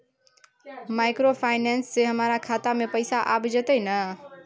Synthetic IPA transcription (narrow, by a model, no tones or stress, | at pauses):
majkɾopʰajnensːeɦəmɾakʰat̪amepəɪsaʔabd͡ʒet̪əjnə